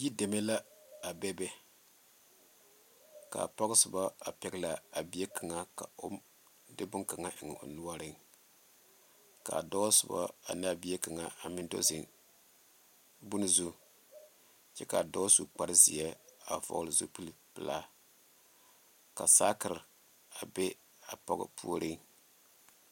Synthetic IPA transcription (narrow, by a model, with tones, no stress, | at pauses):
ji˦de˨mɛ˦la˦a˨bɛ˦bɛ˦ | ka̰˨pɔ˦ɣɨ˦sɨ˨ba˦a˨pɛ˨ɡla˨a˨bi˦ɛ˦ka˨ŋa˨ka˨o̰˦m | dɨ˦bʊ˦ŋka˨ŋa˦ʔɪ˨ŋ˨o̰˨nu˦a˦ɾɨ˦ŋ | ka̰˨dɔ˦sɨ˨ba̰˦a̰˨na˦bi˦ɛ˦ka˨ŋa˨a˨mɪ˦ndo̰˦zɪ̰˨ŋ | bu˦nɨ˦zu˦ | t͡ʃɛ˦ka˨dɔ˦su˨k͡pa˨ɾɨ˦zi˨ɛ˦a˨vɔ̰˨˦lɨ˨zo˦pi˦lpɨ˨la˦ | ka˨saː˦kɨ˨ɾɨ˨ | a˨bɛ˦ | a˨pɔ̰˦ɡɨ̰˦pʰṵ˦o˦ɾʔɨ˦ŋ